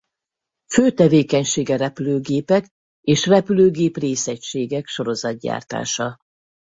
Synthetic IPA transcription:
føːt̪ɛveːkɛɲʃeːɡɛɾɛpyløːɡeːpɛk | eːʃrɛpyløːɡeːpreːsɛcʃeːɡɛkʃo̞ɾo̞zɒd̪̚ɟa̰ːrt̪a̰ːʃɒ

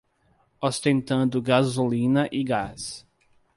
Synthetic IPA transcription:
ost̪ẽnt̪ɐ̃nd̪ʊɡazulĩnɐʔiɡas

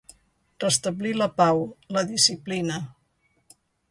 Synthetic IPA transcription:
rəst̪əbliləpawləðisiplinə

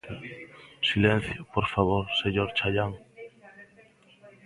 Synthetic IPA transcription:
silɛn̟θjʊpoɾfaβoɾseɲoɾt͡ʃaʎaŋ

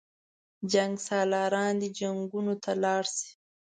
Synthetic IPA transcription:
d͡ʒaŋɡsɑlɑɾɑnd̪id͡ʒaŋɡunot̪ʰalɑɽsi̥

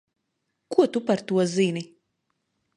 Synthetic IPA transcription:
kuɔt̪upaɾt̪uɔzinʲi

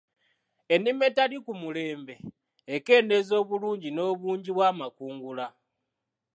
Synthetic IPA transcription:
e̞nime̞talikumule̞ːmbe̞ː | ke̞ːne̞zo̞ːβuluːɲɟino̞ːβuːɲɟiβwaːmakuːŋɡula

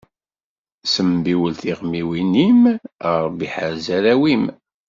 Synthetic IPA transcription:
səmbiwəlθiʁmiwiniməɾˤbiħəɾzæɾæwim

